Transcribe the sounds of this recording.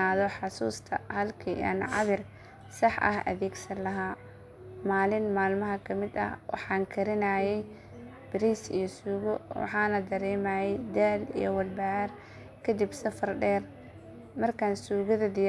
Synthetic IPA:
aːðɔħɑsuːst̪ʰɐ̰hɐlkʰiɐ̰nʕɑ̰ðɪr | sɐħʔɐ̰hɐ̰ðɛːɡsɐnlɐɦaː | maːlɪnmaːlmɐɦɐkʰɐmɪd̪ɐ̰hwɑ̰ħɑːŋkʰɐɾɪnaːjɛj | b̥ɪɾiːsḭjɔsuːɣɔwɑ̰ħɑːnɐd̪ɐɾɛːmaːjɛjd̪aːlḭjɔ̰wɐlbɐr | kʰɐd̪ɪbsɐfɐrɖɛːr | mɐrkʰansuːɣɐðɐd̪ɪj

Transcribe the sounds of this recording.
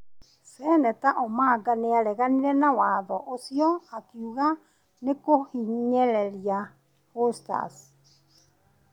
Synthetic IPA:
sɛnɛtaʔomaɡaneaɾɛɣaniɾɛnawaðɔʔosiɔakiuɣa | nekohiɲɲɛɾɛɾia | hosta̰s

